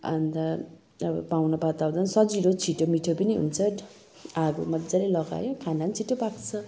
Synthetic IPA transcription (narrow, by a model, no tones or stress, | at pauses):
a̰nd̪a | ʌbʌ̰pawnʌbat̪awd̪ʌnsʌd͡ziɾot͡sʰiʈomiʈʰopʌniɦṵnt͡sʰʌ | aɡo̰mʌdd͡zalelʌɡa̰jokʰanant͡sʰiʈopakt͡sʰʌ